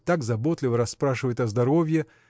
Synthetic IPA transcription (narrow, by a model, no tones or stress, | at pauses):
t̪aɡzɐbot̪lʲɪvəɾɐsːpɾaʂɨvəjɪt̪ɐzd̪ɐɾovʲjɪ